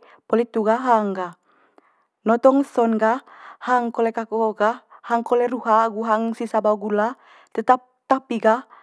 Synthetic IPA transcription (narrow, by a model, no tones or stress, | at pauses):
polit̪ːuɡaɦaŋɡah | nɔt̪ɔŋsɔnɡahhaŋkolɛkakoɡahhaŋkolɛɾuɦaɡuɦaŋsisabawɡula | t̪ət̪ap̚t̪apiɡa